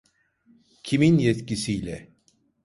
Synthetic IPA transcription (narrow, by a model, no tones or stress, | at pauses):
cʰiminjɛt̪cisijlʲɛ